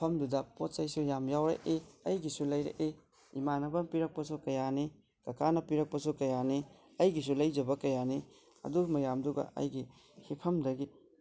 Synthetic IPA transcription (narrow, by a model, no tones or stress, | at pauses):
pʰɐmdudɐpot̚sɐjsujamjawɾɐ̰ʔeɐjɡisulɐjɾḛʔe | ḭmanɐbɐnpiɾɐk̚pɐsukɐjani | kɐkʰanɐpiɾɐk̚pɐsukɐjani | ɐjɡis̬ulɐjd͡ʒɐbɐkɐjani | ɐ̰dumɐjamduɡɐ̰ʔɐ̰jɡi | hikʰɐmdɐɡi